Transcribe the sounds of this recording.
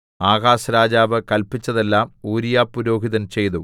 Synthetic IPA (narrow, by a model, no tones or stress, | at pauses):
aːɣaːsɐɾaːd͡ʑaːʋɨkɐlpit͡ɕːɐðe̞lːaːmuːɾijaːpːuɾo̞ːɡiðɐnt͡ɕe̞jðu